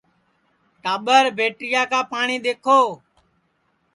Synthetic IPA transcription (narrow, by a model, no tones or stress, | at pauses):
ʈaːɓəɾbʱeːʈɪjaːkãːpaːɳiːɗ̪eːkʰoː